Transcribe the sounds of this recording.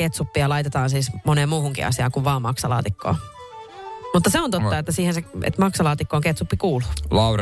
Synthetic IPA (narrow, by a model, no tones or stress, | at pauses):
ket̪supːiɑlɑit̪et̪ɑːnsiːsmoneːmuːhuŋkḭɑ̰siɑːkuʋʋɑːmɑksɑlɑ̰ːt̪ikːo̰ː | mut̪ːɑseont̪ot̪ːɑet̪ːæsiːhenseḛt̪mɑksɑlɑːt̪ikːoːŋket̪supːikuːlulɑr